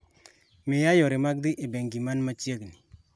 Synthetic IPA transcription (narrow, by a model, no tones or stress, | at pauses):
mejajɔɾɪmak̚d̪iʔebɛŋɡimanmat͡ʃiekni